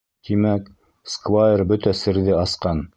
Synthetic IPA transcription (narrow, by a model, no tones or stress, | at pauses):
t̪imæk | skvajerbɵt̪æsɘ̆ɾðɘɑsqɑn